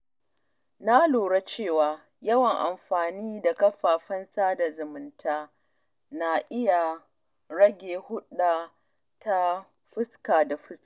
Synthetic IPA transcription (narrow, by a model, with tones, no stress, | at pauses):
na˦loː˨ɽa˦t͡ʃeː˦˨waː˦ | jɐ˦wɐ˨ŋʔa̰˨mɸaː˨niː˦da˨kɐ˦ɸaː˨ɸɐ˦nsaː˦da˨zʊ˨mʊ˨ntʰaː˦ | na˨ʔɪ˦ja˨ | ɽɐ˦ɡʲeː˨hʊ˦ɗaː˨ | ta˦ | ɸɪ˦skaː˨da˨ɸɪ˦ska˨